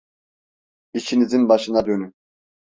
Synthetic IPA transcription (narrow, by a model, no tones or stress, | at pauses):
it͡ʃʰinizinbɑʃɯnɑd̪øny